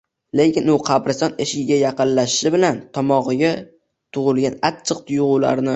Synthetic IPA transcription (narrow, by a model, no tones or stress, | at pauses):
le̞kʲɪnʊqʰɑbɾɪsɒneʃɪɡʲajɑqɨnlaʃɪʃɪbɪlant̪ʰɒmɒʁɨɡʲa | t̪ʰʊʁʊlˠɡʲanat͡ʃʰːɨq̚t̪ʰʊjʊʁʊla̰ɾnɪ